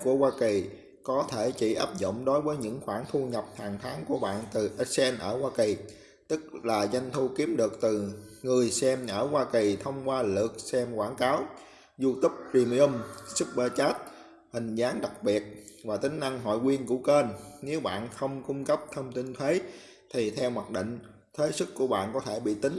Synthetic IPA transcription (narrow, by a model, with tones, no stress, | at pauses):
ku˧˩əwaː˧ki˨˩ | kɔ˨˦t̪ʰe˧˩t͡ɕḭ˧˩ʔaː˦˥p̚zʊ̰˧˨wŋ͡mɗo˨˦jvəː˨˦jɲɨ̰˧˥ŋxwaː˧˩ŋt̪ʰu˧ɲə˨˩p̚t̪ʰaː˨˩ŋt̪ʰaː˨˦ŋku˧˩əɓa̰ː˧˨nt̪ɨ˨˩ʔə˦˥sɛ˧nʔəː˧˩waː˧ki˨˩ | t̪ɨ˦˥k̚laː˨˩za˧jŋ̟t̪ʰu˧ki˨˦əmɗɨ˨˩ək̚t̪ɨ˨˩ŋɨ˨˩əjsɛ˧mʔəː˧˩hwaː˧ki˨˩t̪ʰə˧wŋ͡mkwaː˧lɨ̰˨˩ək̚sɛ˧mkwaː˧˩nkaː˨˦w | zu˧t̪ʊ˦˥p̚zi˧mi˧u˧msɨ˦˥p̚ɓəː˧t͡ɕaː˦˥t̚ | hï˨˩ŋ̟zaː˨˦ŋɗa˨˩k̚ɓi˨˩ət̚vaː˨˩t̪ï˨˦ŋ̟na˧ŋɦɔ̰˧˨jkwi˧ənkṵ˧˩ke˧nne˨˦wɓa̰ː˧˨nxə˧wŋ͡mkʊ˧ŋ͡mkə˦˥p̚t̪ʰə˧wŋ͡mt̪i˧nt̪ʰwe˨˦ | t̪ʰi˨˩t̪ʰɛ˧wma˨˩t̚ɗḭ˧˨ŋ̟ | t̪ʰwe˨˦sɨ˦˥kkːu˧˩əɓa̰ː˧˨nkɔ˨˦t̪ʰe˧˩ɓḭ˧˨t̪ï˨˦ŋ̟